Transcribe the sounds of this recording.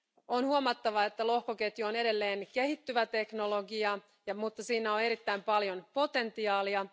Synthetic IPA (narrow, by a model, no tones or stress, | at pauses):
onhuomɑt̪ːɑʋɑet̪ːælo̞hkoket̪juone̞de̞lːeːnkehit̪ːyʋæt̪e̞kno̞loɡiɑ | jɑmut̪ːɑsiːnæone̞ɾit̪ːæimpɑljonpo̞t̪e̞nt̪iɑːliɑ